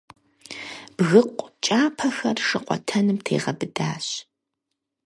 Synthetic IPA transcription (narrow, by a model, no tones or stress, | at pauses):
b̥ɣɨqʷʼt͡ʃʼaːpʰɐxɐrʂɨqʷɔ̰tʰɐnɨmtʰeːʁɐbɨdaːɕ